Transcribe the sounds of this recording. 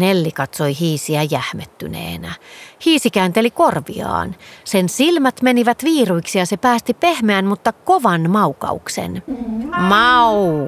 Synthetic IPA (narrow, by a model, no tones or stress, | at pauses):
nelːikɑt̪soihiːsiæjæhmet̪ːy̰nḛːnæhiːsikæːnt̪elikorʋḭɑ̰ːnsensilmæt̪meniʋæt̪ʋiːruiksijɑsepæːst̪ipehmeænmut̪ːɑkoʋɑnmɑukɑ̰uksḛn | mɑu